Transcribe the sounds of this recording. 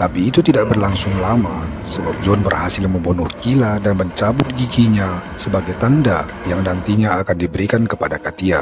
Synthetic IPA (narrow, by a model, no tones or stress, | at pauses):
t̪apiːt̪ut̪idak̚bərlaŋsʊŋlama | səbap̚d͡ʒɔnbərhasɪlməmbunuhkiladanməɲt͡ʃabʊt̪̚ɡiɡiɲa | səbaɡajt̪anda | jaŋnant̪iɲaːkandibəɾikankəpadakat̪ia̰